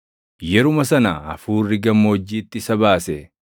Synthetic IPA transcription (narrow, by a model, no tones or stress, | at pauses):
jɛɾʊmɐsɐnaɐfuːrːɪɡɐmːoːd͡ʒːiːt̪ːɪɪsɐbaːsɛ